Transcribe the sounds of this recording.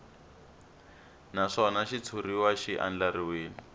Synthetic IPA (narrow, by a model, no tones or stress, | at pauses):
naʂɔnaʃit͡sʰuriwaʃiʔa̰nd͡ɮaɾiweːni